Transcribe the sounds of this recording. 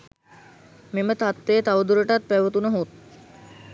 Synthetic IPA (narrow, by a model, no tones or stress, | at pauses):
memət̪at̪ːeːt̪aʋəd̪uɾəʈat̪̚pɛʋət̪unəɦut̪